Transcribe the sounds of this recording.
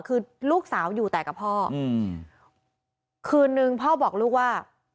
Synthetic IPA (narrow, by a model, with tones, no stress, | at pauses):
kʰɯː˧luː˥˩k̚saː˩˦wjuː˨˩t̪ɛː˨˩ka˨˩pʰɔː˥˩˧ | kʰɯː˧nːɯ˧ŋpʰɔː˥˩bɔː˨˩k̚luː˥˩k̚waː˥˩